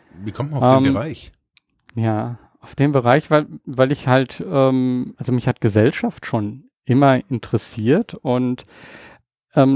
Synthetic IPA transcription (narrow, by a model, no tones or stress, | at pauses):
viːkʰɔmt̚manaʔfɛːmbʁaɪç | jaː | ʔaʊfd̥eːmbəʁ̞aɪçv̥aɪlvaɪlɪçhaltʔɛːmʔalzomɪçhat̚ɡ̥əzɛlʃaftʃoːn | ʔɪmɐɪntəʁəsiːɐtʊnt | ʔɛːm